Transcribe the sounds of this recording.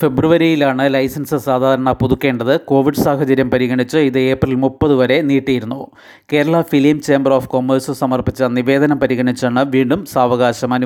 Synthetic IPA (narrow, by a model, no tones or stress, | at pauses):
fe̞bruʋɐɾijilaːɳɨlɐjsɐnsɨsaːd̪ʱaːɾɐɳɐpuðukːe̞ːɳɖɐðɨko̞ːʋiɖɨsaːɦɐt͡ɕɐɾjɐmpɐɾiɣɐɳit͡ɕːɨiðɨe̞ːprilmupːɐðuʋɐɾe̞niːʈːijiɾunːu | ke̞ːɾɐɭɐfilimt͡ɕe̞ːmbɐroːfko̞mːersɨsɐmɐrpit͡ɕːɐniʋe̞ːd̪ɐnɐmpɐɾiɣɐɳit͡ɕːaːɳɨʋiːɳɖumsaːʋɐɣaːɕɐmɐnu